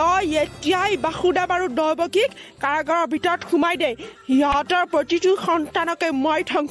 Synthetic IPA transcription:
ɔjetijajbaxudabaɹudɔjbɔkikkaɹaɡɔɹɔɹbʱitɔtxumajdɛjhiɔtɔɹpɹotituxɔntanɔkɛmɔjtʰɔŋ

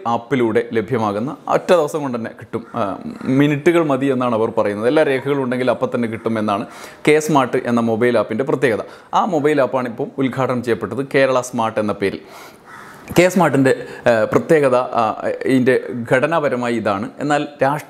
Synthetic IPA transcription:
aːpːiluːɽe̞le̞bʱjɐmaːɣunːɐɐ̰tːɐd̪iʋɐsɐŋoɳɖɨt̪ɐnːe̞kiʈːumminiʈːuɣɐɭmɐðienːaːɳɨɐʋɐrpɐrɐjunːɐðe̞lːaːɾe̞ːkʰɐɣɐɭuɳɖe̞ŋɡilɐpːɐt̪ːɐnːek̬iʈːume̞nːaːɳɨke̞ːsmaːrʈːɨʔe̞nːɐmo̞bɐjlaːpːinde̞prɐt̪jeːɣɐðɐ | aːmo̞bɐjilaːpːaːɳipːɐːmulɡʱaːʈːɐmt͡ɕejːɐpːe̞ʈːɐðɨke̞ːɾɐɭɐsmaːrʈːe̞nːɐpe̞ːɾḭl | keːsmaːrʈːinde̞prɐt̪je̞ːɣɐðɐiinde̞ɡʱɐɽɐnabɐɾɐmaːjiðaːɳɨe̞̰nːaːlɾaːʂʈ

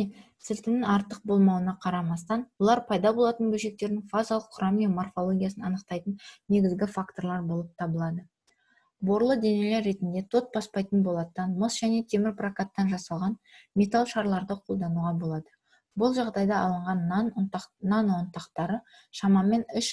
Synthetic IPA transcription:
sɪlt̪ɪnɪŋɑɾt̪əq̚bo̞lˠmɑwənɑqʰɑɾɑmɑst̪ɑnwolˠɑɾpʰɑjd̪ɑbo̞lˠɑt̪ənbɵlʃe̞k̚t̪e̞ɾdnɪŋfazalˠəqʰːʊɾɑmijamorfo̞lˠo̞ɡʲijasənɑnəqt̪ɑjt̪ənne̞ɡʲɪzɡʲɪfakt̪o̞ɾlˠɑɾbo̞lˠəp̚t̪ʰɑbəlˠɑd̪ə | bo̞ɾlˠəd̪e̞nele̞ɾːe̞t̪ɪnd̪e̞t̪ʰo̞t̪̚bɑspɑjt̪ənbo̞lˠɑt̪ɑnmosʒ̥æne̞t̪ʰe̞mɪɾprakat̪ːɑnʒɑsɑlˠʁɑnmʲe̞t̪alˠʃɑɾlˠɑɾd̪əqʰo̞lˠd̪ɑnuʁɑbo̞lˠɑd̪ə | bʊlˠʒɑʁd̪ɑjd̪ɑɑlˠəɴʁɑnnnanont̪ɑqt̪ɑɾə | ʃɑmɑme̞nɪʃ

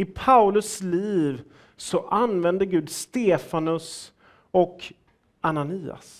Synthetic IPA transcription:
ɪpʰaʊlɵsliːv | sɔʔanvɛnd̪əɡʉ̟ːd̪st̪eːfanɵs | ɔk | ananiːa̰s

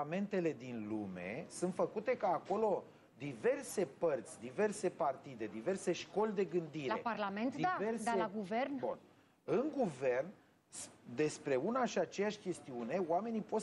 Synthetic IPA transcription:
ame̞nt̪e̞le̞d̪inlume̞̰sunt̪fəkut̪e̞kaːko̞lo̞ | d̪ive̞rse̞pərt̪sʲd̪ive̞rse̞part̪id̪e̞d̪ive̞rse̞ʃko̞lʲd̪e̞ɡɨnd̪iɾae̞̰parlament̪d̪iaversd̪aelaɡuvernbṵn | ɨŋɡuve̞rn | sd̪e̞spɾe̞unaʃiat͡ʃe̞jaʃʲkʲe̞st̪iune̞wame̞nipo̞t̪

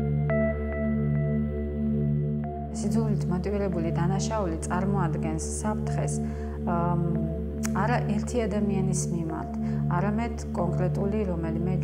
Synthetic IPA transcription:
sid̪zulit̪ʰmɔt̪ʼiviɾɛbulid̪anaʃaulit̪sʼaɾmɔad̪ɡɛnsːapʰɾt̪ʰχɛs | aɾaʔɛɾt̪ʰiad̪amianismima̰ɾt̪ʰaɾamɛd̪̥kʼɔŋkʼɾɛt̪ʼuliɾɔmɛlimɛ

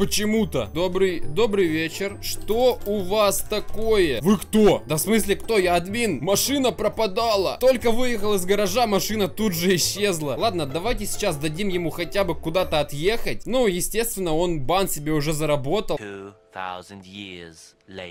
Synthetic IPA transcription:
pət͡ɕɪmut̪əd̪obɾɨjd̪o̞bɾɨjvʲet͡ɕɪrʂt̪o̞ʊvast̪ɐko̞jəvɨkt̪o̞d̪ɐfsmɨsʲlʲɪkt̪o̞jaɐd̪mʲinmɐʂɨnəpɾəpɐd̪alˠət̪o̞lʲkəvɨjɪxəlˠɪzɡəɾɐʐamɐʂɨnət̪ud̪ʐɨɪɕːezlˠəlˠad̪̚nəd̪ɐvajtʲɪsʲɪ̥t͡ɕasd̪ɐdʲimjɪmuxɐtʲabɨkʊd̪at̪əɐt̪je̞xət̚ʲnujɪsʲtʲe̞st̪vʲɪnːəo̞nbansʲɪbʲeʊʐɛzəɾɐbo̞t̪əuθa̰ʊzndjɪz̥ | le

